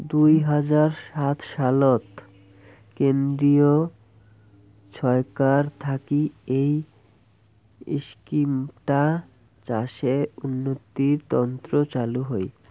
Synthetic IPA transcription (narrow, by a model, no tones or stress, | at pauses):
d̪ujɦad͡ʑaɾʃat̪ʃalot̪ | kend̪ɾio | ʃʰɔekaɾt̪ʰakiej | ḭʃkimʈa | t͡ɕaʃeunːot̪iɾt̪ɔnt̪ɾot͡ɕaluɦoj